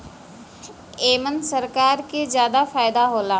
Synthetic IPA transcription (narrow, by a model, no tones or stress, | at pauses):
eːmənsəɾkaːɾkezjaːd̪afaːɪd̪aɦoːlaː